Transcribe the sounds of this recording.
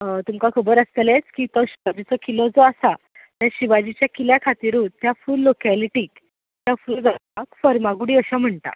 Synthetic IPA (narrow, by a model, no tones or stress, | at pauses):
t̪umkakʰəbəɾəst̪elet͡skiːt̪ɔɕiʋad͡ʑit͡sɔkilɔd͡zɔasa | t̪aɾɕiʋad͡ʑit͡ɕjakiljakʰat̪iɾut̪jafuːlːokɛliʈiːk | t̪jafuːld͡zat̪akfəɾmaɡuɽiːəɕam̤əɳt̪a̰